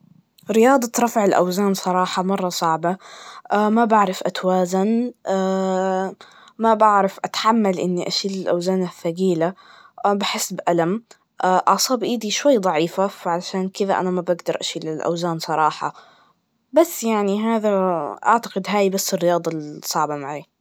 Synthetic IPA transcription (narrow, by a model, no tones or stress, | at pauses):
ɾɪjɑːd̪ˤɑt̪ɾˤɑfʕɪlʔa̰wzaːnsˤɑɾˤɑːħɑmɑrˤːɑsˤɑʕbaʔamabaʕɾˤɪfʔat̪waːzanaː | mabaʕɾɪfʔat̪ħamːalʔɪnːiʔaʃiːlɪlʔa̰wzaːnaθːaɡiːlabaħɪsːbʔalam | ʔaːʔɑʕsˤɑːbʔiːd̪iʃwajːd̪ˤɑʕiːfafaʕalaʃaːnkɪðaʔa̰namabaɡd̪ɑɾˤʔa̰ʃiːlɪlʔa̰wzaːnsˤɑɾˤɑːħɑ̰ | basːjaʕniɦaːðaʔaʕt̪ḁɡɪd̪ɦaːjbasːɪrːɪjɑːd̪ˤɑsˤɑʕbamaʕeː